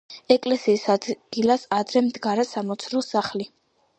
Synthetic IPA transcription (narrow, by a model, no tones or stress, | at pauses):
ɛkʼlɛsiːsad̪ɡ̥ilasad̪ɾɛmd̪ɡaɾɛsamɔt̪sʰɾɔsaχli